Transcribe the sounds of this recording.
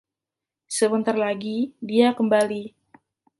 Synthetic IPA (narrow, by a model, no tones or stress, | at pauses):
səbənt̪arlaɡidiakəmbali